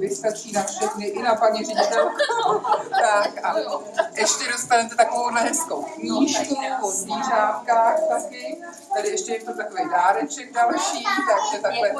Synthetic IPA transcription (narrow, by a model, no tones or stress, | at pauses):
vɪskat͡ʃiːnafʃɛxnɪʔɪnapaɲɛrɪɲit̪ɛlkat̪akʔalɛ | ʔɛʃcɛdost̪anɛt̪ɛt̪akovownaɦɛskowkɲiːʒpozviːzaːt̪kaːxt̪akɪ | t̪ɛdɪɛʃcɛjɛt̪ot̪akovejdaːɾɛt͡ʃɛɡ̚dalʃiːt̪aɡʒɛt̪aklɛ